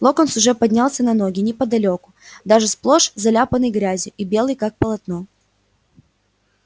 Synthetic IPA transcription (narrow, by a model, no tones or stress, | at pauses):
lˠokənsʊʐɛpɐdʲnʲalˠsʲənɐnoɡʲɪnʲɪpəd̪ɐlʲo̞kʊ̥d̪aʐɨsplˠoʂzɐlʲapənɨjɡɾʲæzʲjʊʔibʲe̞lˠɨjkak̚pəlˠɐt̪no